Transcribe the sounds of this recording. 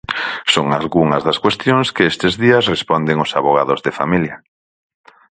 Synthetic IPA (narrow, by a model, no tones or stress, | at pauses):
soŋalɣuŋɐzðɐskwest̪joŋskeest̪ezðiɐsrespɔnd̪eŋosaβoɣ̞a̰ðʊzðefa̰miljɐ